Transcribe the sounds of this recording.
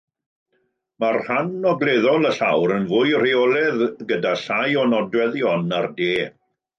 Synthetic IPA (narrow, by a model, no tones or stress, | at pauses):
marhanɔɡlˠeðɔlˠəɬawɾənvʊɨr̥iɔlˠɛðɡədaɬajɔnɔdwɛðjɔnardeː